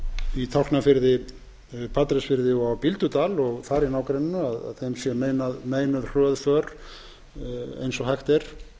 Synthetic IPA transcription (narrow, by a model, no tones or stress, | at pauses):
it̪ʰawrk̪nafɪɾðɪ | pʰat̪ɾɛsfɪɾðɪawpilt̪ʏt̪aːlɔɣθaɾinaːwkɾɛnːɪnʏaða̰ðθejmsjɛmeːjnaðmeːjnʏðr̥œːðfœɾ̥ | ḛjnsɔhajxt̪ɛɾ̥